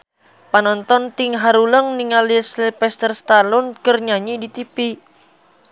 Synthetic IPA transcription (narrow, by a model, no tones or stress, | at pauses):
panɔnt̪ɔnt̪iŋɦaɾuləŋniŋalislipɛst̪ərst̪alɔnkərɲaɲidit̪ipi